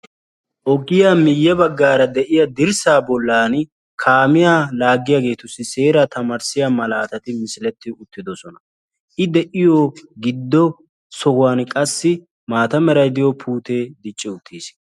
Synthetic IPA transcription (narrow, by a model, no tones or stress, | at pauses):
ʔɔɡɪjaːmɪjːɛbɐɡːaːɾɐd̪ɛʔɪjɐd̪ɪɾsaːbɔlːaːn | kʰaːmɪjalaːɡːɪjaːɡe̞ːt̪ʊsːɪse̞ːɾɐt̪ɐmɐɾsɪjamɐlaːt̪ɐt̪ɪmɪsɪlɛt̪ːɪʊt̪ːɪd̪ɔsɔnɐ | ʔɪd̪ɛʔɪjoɡɪd̪ːɔ | sɔɡwaːnkʼɐsːɪ | maːt̪ɐmɛɾɐjd̪ɪjɔpʰuːt̪eːd̪ɪt͡ʃʼːɪʊt̪ʰːiːs